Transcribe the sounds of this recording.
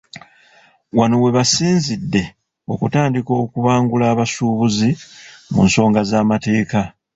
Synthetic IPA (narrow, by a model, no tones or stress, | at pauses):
wano̞we̞βasiːnzidːe̞ | o̞̰kutaːndiko̞ːkuβaːŋɡulaːβasuːβuzimṵnso̞ːŋɡazaːmate̞ːka